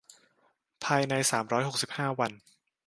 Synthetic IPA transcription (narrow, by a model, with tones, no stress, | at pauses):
pʰaː˧jna˧jsaː˩˦mɾɔː˦˥jho˨˩k̚si˨˩p̚haː˥˩wa˧n